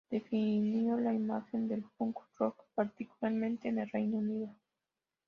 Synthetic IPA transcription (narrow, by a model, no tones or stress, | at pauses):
d̪̥e̞finjo̞laimaxe̞nd̪elfoŋku̥rokpaɾt̪ikulaɾmẽnt̪eːnelrejnauniðo